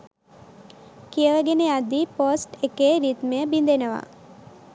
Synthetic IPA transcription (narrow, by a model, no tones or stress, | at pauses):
kijəʋəɡenead̪iposʈekeːɾit̪məjəbind̪enəʋa̰